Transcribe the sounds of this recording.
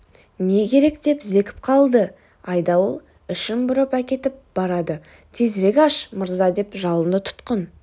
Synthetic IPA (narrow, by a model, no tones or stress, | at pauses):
ne̞kʲʰe̞ɾe̞kd̪e̞pze̞kʲɪ̥p̚qʰɑlˠd̪ə | ɑjd̪ɑwolˠ | ɪʃɪmbʊɾəpækʲe̞t̪ɪp̚b̥ɑɾɑd̪ə | t̪ʰe̞zɾe̞kʲɑʃməɾzɑd̪e̞pʒɑlˠənət̪ʰʊ̥t̪qən